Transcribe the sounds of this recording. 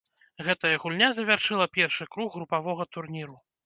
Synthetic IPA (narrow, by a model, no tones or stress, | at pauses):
ɣɛt̪ɐjɐɣulʲnʲazɐvʲarʂɨlˠɐpʲɛrʂɨkɾuɣːɾupavɔɣɐt̪urnʲiɾu